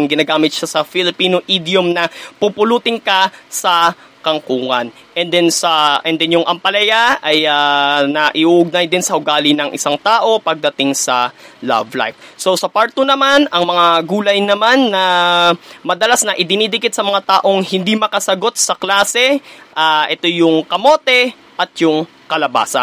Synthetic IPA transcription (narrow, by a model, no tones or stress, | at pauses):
ŋɡɪnaːɡaːmɪt̪̚ʃasɐfɪlɪpiːnoʔiːd̪jʊmnɐpupʊluːt̪ɪŋkɐsɐ | kɐŋkuːŋɐn | ʔɛnd̪ɛnsɐɛnd̪ɛnjʊŋʔɐmpɐlɐjaʔɐjanɐʔɪʔuːʔʊɡ̚najd̪ɪnsɐʔʊɡaːlɪnɐŋʔɪ̰saŋt̪aːʔo̞pɐɡ̚d̪ɐt̪ɪŋsɐlɐ̰vla̰jfso̞sɐpaɹt̪onɐmanɐŋmɐŋaɡuːlɐjnɐmanːɐ | mɐd̪ɐlasnɐʔɪd̪ɪnid̪ɪkɪt̪sɐmɐŋat̪aːʔo̞ŋhɪnd̪imɐkɐsɐɡo̞t̪̚sɐklaːsɛʔaʔɛt̪o̞jʊŋkɐmo̞ːt̪ɛ | ʔɐt̪̚jʊŋ | kɐlɐba̰ːsɐ̰